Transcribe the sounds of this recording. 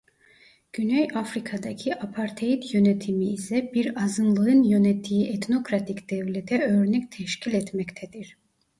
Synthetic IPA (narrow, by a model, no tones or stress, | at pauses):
ɟ̥ynɛjafɾikʰad̪acʰiʔapʰaɾt̪ʰejit̪ʰjø̞nɛt̪ʰimiːsɛbiɾazɯnlˠɯɯnjø̞nɛt̪ʰːiiʔɛt̪no̞kɾat̪ʰicd̪̥ɛvlʲɛt̪ʰɛø̞ɾnɛct̪ʰɛʃcʰilʲɛt̪mɛct̪ʰɛd̪iɾ̥